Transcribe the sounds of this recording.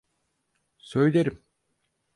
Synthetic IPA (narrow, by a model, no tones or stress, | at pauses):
sø̞jlʲeɾim